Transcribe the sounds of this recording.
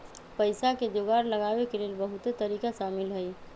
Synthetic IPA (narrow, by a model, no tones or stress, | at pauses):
pəɪsaked͡ʒ̪oɡaːɾləɡaːbekeleːlbəɦut̪et̪əɾiːkaʃaːmɪlɦəj